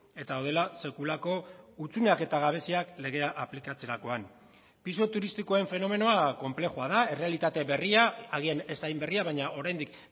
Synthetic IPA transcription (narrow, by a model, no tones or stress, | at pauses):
e̞t̪aðawðe̞lase̞kulako̞ut͡suneake̞t̪aɣ̞aβ̞e̞siakle̞ɣ̞e̞aʔaplikat͡se̞ɾako̞an | piso̞t̪uɾist̪ikoae̞ɱfe̞no̞me̞no̞ako̞mple̞xuaðae̞re̞alit̪at̪e̞βe̞riaːɣ̞iene̞sajmbe̞riaβ̞ajɲaʔo̞ɾajnd̪ik